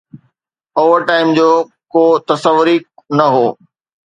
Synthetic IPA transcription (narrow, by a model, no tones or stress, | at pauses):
oːʋəɾʈaːɪmd͡ʑoː | koːt̪ɐsəʋʊɾinɐɦoː